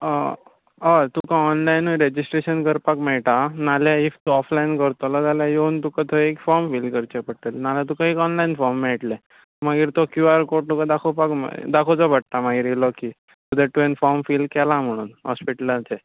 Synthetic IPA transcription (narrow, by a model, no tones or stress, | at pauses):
at̪ukãɔnlajnɾed͡ʑisʈɾeɕənkəɾpakmɛɭʈ̪analjaift̪uɔflainkəɾt̪ɔlɔd͡z̪aljãjount̪ukat̪ʰəekfɔɾmfiːlkəɾt͡ɕepəʈːəlnaljat̪̬ukãekɔnlainfɔɾmːɛɭʈlɛ | maɡiːɾt̪ɔkjuaɾkoʈt̪ukãd̪akʰopakm̰d̪akʰot͡sɔbəʈ̚t̪amaɡiːɾjelɔki | t̪ud̪ʱeʈuenfɔɾmfilkɛlãm̤əɽ̃uːnɦɔ̰spiʈəlat͡se